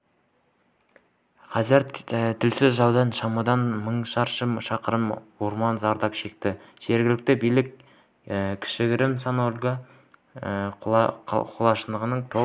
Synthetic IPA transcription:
qʰɑzɪɾt̪ʰɪlsɪzʒɑwd̪ɑnʃɑmɑd̪ɑnməɴʃɑɾʃəmʃɑqəɾəmwo̞ɾmɑnzɑɾd̪ɑpʃe̞k̚t̪ɪʒ̥e̞ɾɡʲɪlɪk̚t̪ɪbijlɪk | kʲʰɪ̥ʃɪɡʲɪɾɪmsɑnolʲɡʲɑ | qʰolˠɑʃənd̪əʁənəɴt̪ʰo

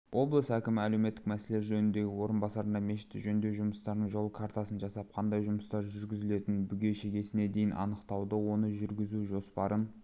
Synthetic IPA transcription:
wʔo̞blˠəsækʲɪmɪæle̞wme̞t̪ːɪ̥k̚mæse̞le̞ɾʒɵnɪnd̪e̞ɡʲɪwo̞ɾənbɑsɑɾənd̪ɑmeʃɪ̥t̪ːɪʒɵnd̪e̞ʒʊməst̪ɑɾd̪əɴʒo̞lˠəkʰaɾt̪ɑsənʒɑsɑp̚qʰɑnd̪ɑjʒʊməst̪ɑɾʒʏɾɡʲɪzɪle̞t̪ɪnbʏɡʲe̞ʃe̞ɡʲe̞sɪne̞d̪e̞jɪnʔɑ̰nəqt̪ɑwd̪əwo̞nəʒʏɾɡʲɪzuʒo̞spɑɾʔən

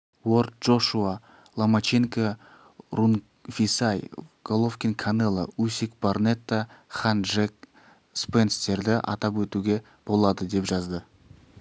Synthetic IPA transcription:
wo̞ɾt̪̚ʒ̥o̞ʃua | lˠamat͡ʃeŋka | ɾun | fʲisajɡ̥olˠofkʲinkʰanelˠə̰usikbarnet̪ːaχanʒek | spenst̪e̞ɾd̪ɪʔɑ̰t̪ɑpwɵt̪uɡʲe̞ | b̥o̞lˠɑd̪əd̪e̞pʒɑzd̪ə

